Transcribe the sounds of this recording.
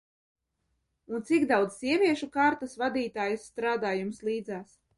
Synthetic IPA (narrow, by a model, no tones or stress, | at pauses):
unt̪sikd̪awd̪zsiɛvʲiɛʃukaːɾt̪asvad̪iːt̪aːjusːt̪ɾaːd̪aːjumslˠiːd̪zaːs